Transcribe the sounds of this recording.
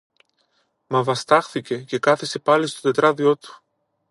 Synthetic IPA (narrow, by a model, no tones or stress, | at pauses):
mɐvɐst̪ɐxθice̞ce̞kɐθese̞pɐlist̪o̞t̪e̞t̪ɾɐðio̞t̪u̥